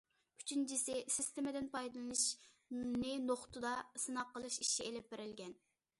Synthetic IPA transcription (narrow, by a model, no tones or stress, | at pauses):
y̥t͡ʃʰynt͡ʃʰisɪsɪst̪ɪmɪd̪ɪnpʰɑjd̪ɨlˠɨnɨʃ | nɪnoχt̪ʰud̪ɑsɨnɑqːəlˠɨʃiʃielɪp̚beɾɪlɡʲɛn